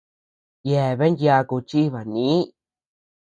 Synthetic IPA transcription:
je˧˨βe˦dja˧ku˧t͡ʃi˦βa˨nĩ˧˦

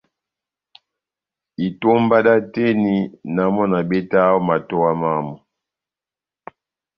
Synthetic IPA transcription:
i˨to˦mba˦da˦te˦ni˨na˨mɔ˦na˨bɛ˦ta˦ɔ˦ma˨tɔ˦wa˦ma˦mɔ˨

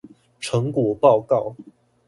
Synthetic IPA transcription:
ʈ͡ʂʰɤ˨˦ŋkwɔ˨˩pɑ˥˧ʊkɑ˥˨ʊ

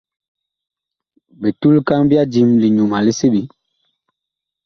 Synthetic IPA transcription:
be˨tu˦lka˦ŋbi˦a˦d͡ʒi˨mli˨ɲu˨ma˨li˦si˦bi˨

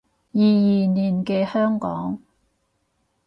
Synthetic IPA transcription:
jiː˨˧jiː˨˩niː˨˩nkɛː˧hœː˥ŋkɔ̰ː˨˥ŋ

